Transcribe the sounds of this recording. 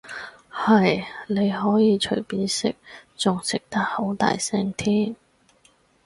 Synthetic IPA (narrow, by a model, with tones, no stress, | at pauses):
hɐ˨jne˨˧jɦɔː˨˥jiː˨˧t͡ʃʰɵ˨˩piː˨˥nsɪ˥k̚t͡sʊ˨ŋsɪ˨k̚t̪ɐ˥k̚ho˨˥wt̪a̰ː˨jsɛː˥ŋt̪ʰiː˥m